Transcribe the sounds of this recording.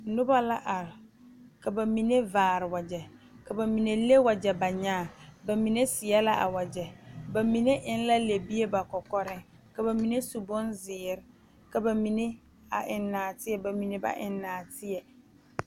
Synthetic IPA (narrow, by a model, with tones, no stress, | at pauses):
nʊ˦ba˦la˦ʔa˨ɾɪ˨ | ka˨ba˨mi˨ne˦vaː˨ɾɪ˨wa˨d͡ʒɛ˨ | ka˨ba˨mi˨ne˦le˦wa˨d͡ʒɛ˨ba˨ɲaː˦˨ba˨mi˨ne˦sɪ˨jɛ˦la˦ʔa̰˨wa˨d͡ʒɛ˨ba˨mi˨ne˦ʔɪ˦n˦la˦le˨bi˦e˦ba˨kɔ˨kɔ˦ɾɪ˦ | ka˨ba˨mi˨ne˦su˨bʊ˦nzɪː˨ɾɪ˦˨ | ka˨ba˨mi˨ne˦ | a̰˨ʔɪ˨nːaː˨tɪ˦jɛ˦ba˨mi˨ne˦ba̰˦ʔɪ˨nːaː˨tɪ˦ɛ˨